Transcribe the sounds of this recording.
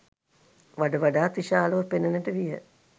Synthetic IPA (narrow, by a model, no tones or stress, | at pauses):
ʋaɖəʋaɖaːt̪iʃaːloʋəpenənəʈəʋijə̰